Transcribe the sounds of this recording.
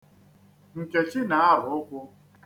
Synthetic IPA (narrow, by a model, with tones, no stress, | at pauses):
ŋ̩˨ke˨t͡ʃi˦na˨˦a˦ɦʊ˨˦ʊ˦kʷʊ˦